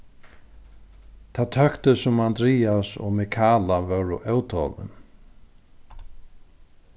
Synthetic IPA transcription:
t̪ʰat̪ʰœkt̪ʏsʊmand̪ɾiːasɔ̰ɣmɛkʰaːlavœwɾʏʔœwt̪ʰɔ̰lɪ̰n

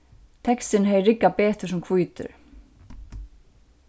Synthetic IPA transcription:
t̪ʰɛkst̪ɪnɦɛːjɾɪkːapɛːt̪ɪ̥sɛmkʰvujt̪ʏ̰ɾ̥

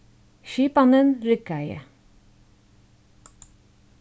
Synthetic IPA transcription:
ʃyːpɑnənɾʏkæɪə̰

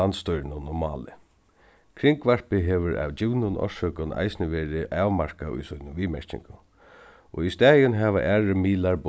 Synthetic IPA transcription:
anst̪ɔjɾnʊnɔma̰ːlɪ̰ | kʰɾɪŋkʋaɹpɪɦɛʋʊɾa̰wt͡ɕɪwnʊnʔɔ̰ʂœkʊna̰jsnɪʋɛːɹɪʔaːʋmaɹ̥kaʊ̰jsujnʊʋiːmɛɹcɪ̰ŋkʊ | ʔɔist̪æːjʊnɦɛʋa̰ʔæːɹɪmiːlaɹb

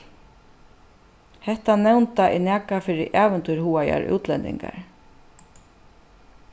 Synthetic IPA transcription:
hɛht̪anɛwnt̪aʔinɛːkafɪːɾɪʔaːvɛnt̪ujɾhuːaja̰ɾʔṵːt̪lɛnt̪ɪ̰ŋka̰ɹ

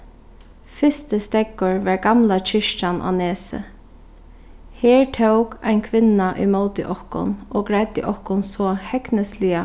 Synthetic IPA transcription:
fɪst̪əst̪ɛkːʊɹʋaɹɡamlat͡ʃʰɪʃt̪anʔa̰nɛːsə̰ | hɛːɹt̪ʰowka̰ɪnkʰʋɪnaʔʏ̰jmoːt̪ɪ̰ʔɔhkʊ̰nɔːɡɹat̪ɪ̰ʔɔhkʊnsɔːhɛknəslɪa

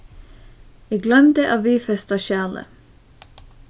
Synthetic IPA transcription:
æɡlœmd̪əʔɑːʋiːfɛst̪ɑʃæːlə̰

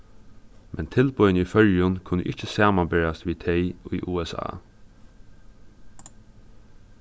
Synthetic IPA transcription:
mʔɛnt̪ʰɪlpɔʏnəifœljʊnkʰʊnːəʔɪt͡ʃːəsaːmanbɛɹast̪ʋiːt̪ʰɛɪʊjʔuːɛsa̰ː

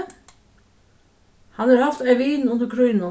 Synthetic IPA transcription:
hɑnhɑːɾhɑft̪æɪʋiːnʊnd̪əɾkʰɾɔʏnə

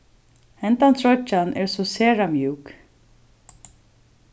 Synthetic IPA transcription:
hɛnt̪ant̪ʰɹɔt͡ʃanʔɛɹsɔseːɹamjʉːk

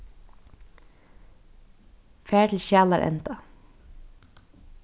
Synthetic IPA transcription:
fæːɹt̪ʰɪlʃæːlaɾʔɛ̰nt̪a

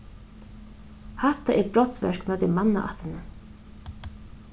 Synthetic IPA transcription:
hat̪aʔɛɾbɾɔt̪svɛ̰ʂkmœːt̪ɪmanːa̰ʔa̰ht̪ɪnə

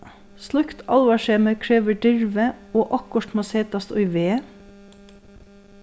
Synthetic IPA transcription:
slʉkt̪ʰɑlʋɑʃeːməkʰɹeːʋəɖʏɹʋəoːʔɑkɔʈmɑseːt̪ɑst̪ʊ̰ʏʋeː

